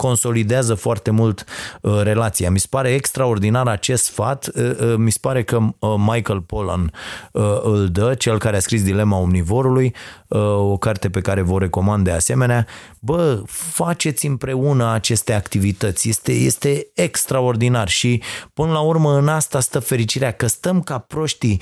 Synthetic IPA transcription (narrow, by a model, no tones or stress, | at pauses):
ko̞nso̞lid̪eazəfoart̪e̞mult̪ɾe̞lat̪sijamise̥paɾe̞ːkst̪ɾao̞rd̪inaɾat͡ʃe̞st̪fat̪mise̥paɾe̞kəmajkəlpolo̰nəɨld̪ət͡ʃe̞lkaɾeaskɾis̬d̪ile̞mao̞mnivo̞ɾulujəo̞kart̪e̞pe̞kaɾe̞voɾe̞ko̞mand̪d̪ease̞me̞nea | bəfat͡ʃe̞t̪sʲɨmpɾe̞unəat͡ʃe̞st̪e̞akt̪ivit̪ət̪sʲje̞st̪eje̞st̪e̞ekst̪ɾao̞rd̪inarʃipɨnəlaurməɨnast̪ast̪əfe̞ɾit͡ʃiɾeakəst̪əmkapɾo̞ʃt̪i